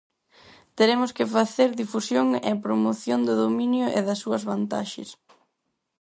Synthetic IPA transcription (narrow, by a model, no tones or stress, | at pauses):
t̪eɾemʊskɪfaθeɾðifusjoŋḛpɾomoθjond̪ɪðominjʊʔeðɐsːuɐzβant̪a̰ʃɪ̰s